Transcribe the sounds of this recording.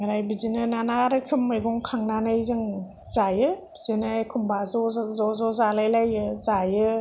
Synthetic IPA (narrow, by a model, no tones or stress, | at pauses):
mɯɾajbizinɯnanaɾɯkʰɯmːɯjɡɔŋkʰaŋnanɯjzɯŋ | z̥ajɯbizinɯkʰumbazɔzɔzɔzalajlajɯzajɯ